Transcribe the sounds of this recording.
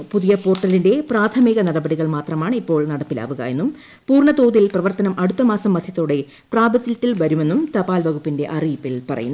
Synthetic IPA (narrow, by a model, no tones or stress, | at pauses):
puðijɐpo̞ːrʈːɐlinde̞praːt̪ʰɐmiɣɐnɐɽɐbɐɽiɣɐɭmaːt̪rɐmaːɳipːo̞ːɭnɐɽɐpːila̰ːʋuɣɐ̰e̞nːum | puːrɳɐt̪oːðilprɐʋɐrt̪ɐnɐmʔɐɽut̪ːɐmaːsɐmːɐd̪ʱjɐt̪ːoːɽe̞ | praːbɐt̪ːjɐt̪ːilʋɐɾume̞nːumt̪ɐpaːlʋɐɣupːinde̞ʔɐrijpːilpɐrɐ̰junː